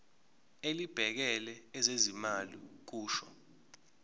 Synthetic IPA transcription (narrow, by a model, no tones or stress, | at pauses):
elib̥ʱɛk̬ɛlɛɛzezimalḭk̬uːʃɔ̰